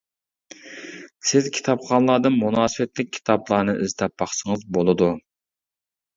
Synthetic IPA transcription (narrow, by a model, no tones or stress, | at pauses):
sɪzkʲʰi̥t̪ʰɑpχɑnlˠɑːd̪ɨnmunɑːsɨwɛt̪lɪk̚ʲʰːi̥t̪ʰɑblˠɑːnɨʔɪzt̪ʰɛp̚bɑχsəŋɨzbolˠɨd̪u